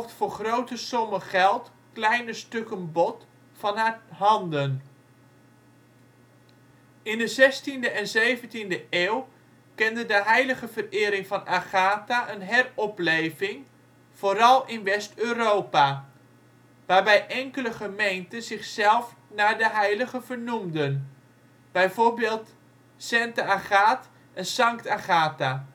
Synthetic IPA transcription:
ftfʊːɹχrowtəsɔməχɛlˠt | klɛjnəstɵkənbɔt | fɑnɦaɦɑndən | ɪndəzɛstindəɛnzejvəntindəʔeːw | kɛndədəɦɛjləχəvərɪːɾɪŋvɑnaχaːtaʔənɦɛrɔplejvɪŋ | v̥oːɾɑlˠɪnʋɛstøːrowpa | ʋaːɹbɛjʔɛŋkələχəmejntəzɪχsɛlˠf | naːɹdəɦɛjləɣəvəɹnumdən | b̥ɛjvoːɹbɪːlˠt | sɛntəaχaːt | ɛnsɑŋktaχaːta

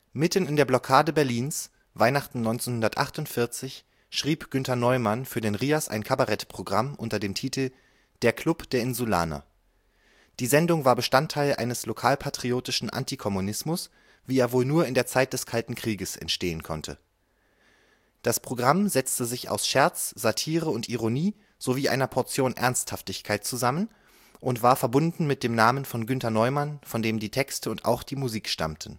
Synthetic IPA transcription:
mɪtən̩ɪndeːɐblɔkʰaːdəbɛɐliːns | vaɪnaχtn̩nɔʏnt͡senhʊndɐtʔa̰χtʊntfɪɐt͡sɪç | ʃʁ̥iːpɡ̥ʏntɐnɔʏmanfyːɐdeːnʁiːasʔa̰ɪnkʰabaʁɛtpʁ̥oɡʁamʔʊntɐdeːmtʰiːtʰl̩ | d̥eːɐkʰl̥ʊpd̥eːɐɪnzula̰ːnɐ̰ | d̥iːzɛndʊŋvaːɐbəʃtantʰaɪlʔa̰ɪnəslokʰaːlpʰatʁ̥ioːtɪʃn̩ʔa̰ntʰikʰɔmunɪsmʊs | v̥iːeːɐvoːlnuːɐɪndeːɐt͡saɪt̚d̥ɛskʰaltn̩kʁ̥iːɡəsɛ̰ntʃteːənkʰɔ̰ntʰə̰ | d̥aspʁ̥oɡʁamzɛt͡stəzɪça̰ʊsʃɛɐt͡sz̥atʰiːʁəʊntʔiʁoniː | z̥oviːʔa̰ɪnɐpʰɔɐt͡sjoːnʔɛ̰ɐnsthaftɪçkʰaɪt̚t͡suzamən | ʔʊntv̥aːɐfɛɐbʊndn̩mɪt̚d̥eːmnaːmənfɔnɡʏntɐnɔʏmanfɔndeːmdiːtʰɛkstəʊnta̰ʊxd̥iːmuziːkʃta̰mtʰn̩

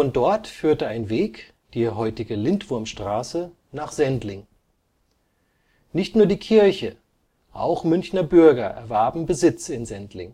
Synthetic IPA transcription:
fɔndɔɐtfyːɐtəaɪnveːk | d̥iːɦɔʏtɪɡəlɪntv̥ʊɐmʃtʁ̥aːsə | naːχz̥ɛntlɪŋ | nɪçtnuːɐdiːkʰɪɐçə | ʔa̰ʊxmʏnçnɐbʏɐɡɐʔɛ̰ɐvɛɐbm̩bəzɪt͡sɪnzɛntlɪ̰ŋ

